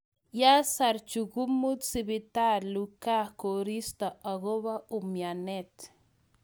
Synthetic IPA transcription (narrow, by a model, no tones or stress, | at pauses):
jasaɾt͡ʃuɣumut̪siβit̪aɾlukakoɾist̪aaɣoβaumjanet̪